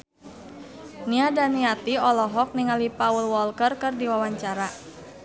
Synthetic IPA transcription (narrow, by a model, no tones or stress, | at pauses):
niadaniat̪iɔlɔɦɔk̚niŋalipaulwɔlkərkɨrdiwawaɲt͡ʃaɾa